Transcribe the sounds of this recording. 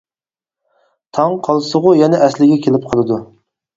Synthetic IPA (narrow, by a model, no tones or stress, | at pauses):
t̪ʰɑŋqʰɑlˠɨsəʁʊjɛnɛʔɛslɪɡʲɛkʲʰelɪp̚qʰɑlˠɨd̪u